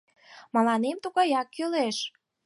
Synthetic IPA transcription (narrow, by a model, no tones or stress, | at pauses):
mɑlɑnemt̪uɣɑjɑkːøleʃ